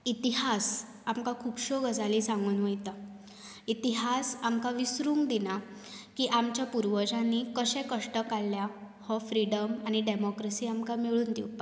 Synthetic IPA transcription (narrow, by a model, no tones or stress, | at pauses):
it̪iɦas | amkakʰupɕoɡəd͡zalisãŋɡuːnʋəjt̪a | it̪iɦasamkaʋisɾuːŋɡd̪ina | kiːʔamt͡ɕjapuɾʋəd͡ʑanːikəɕɛ̃kəʂʈəkalːja | hɔfɾiɽəmañiɖemɔkɾəsiːamkamiɭuːnd̪iwt̪a